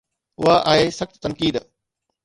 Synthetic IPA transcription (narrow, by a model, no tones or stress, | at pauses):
ʊɦaʔaːɦeːsɐxt̪t̪ɐnkiːd̪